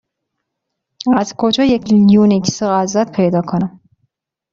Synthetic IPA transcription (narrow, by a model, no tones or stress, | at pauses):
æzkʰod͡ʒɒːjecʰjuːnikʰsoɣæzæt̪pʰe̞jd̪ɒːkʰonæm